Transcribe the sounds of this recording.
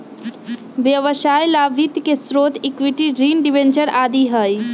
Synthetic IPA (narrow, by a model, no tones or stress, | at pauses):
ʋjɐʋəʃaːjlaːʋɪt̪kesɾoːt̪ʰɪkʋɪʈiɖɾiːnɖɪʋẽnt͡ʃəɾaːd̪iɦəj